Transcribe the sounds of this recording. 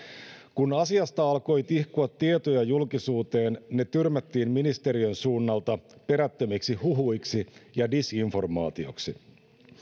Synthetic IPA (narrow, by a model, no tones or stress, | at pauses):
kunɑsiɑst̪ɑɑlko̞jt̪ihkuɑt̪ːiet̪ojɑjulkisuːt̪e̞ːnne̞t̪yrmæt̪ːiːnminist̪e̞ɾiønsuːnːɑlt̪ɑpe̞ɾæt̪ːømiksiɦuɦujksijɑdisiɱfo̞rmɑ̰ːt̪io̞̰ksi